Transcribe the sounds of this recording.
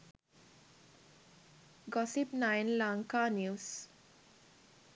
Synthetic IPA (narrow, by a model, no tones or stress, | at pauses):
ɡɔsipnãɪnlãŋkanjuːs